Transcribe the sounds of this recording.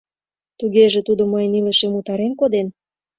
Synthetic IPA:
t̪uɣeʒĕt̪ud̪omɤjniləʃemut̪ɑɾenkod̪en

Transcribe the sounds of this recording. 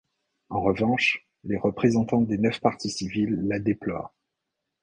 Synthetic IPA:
ɑ̃ʁəvɑ̃ʃ | leʁəpχezɑ̃t̪ɑ̃d̪enœfpaʁt̪isivilːad̪eplwa̰

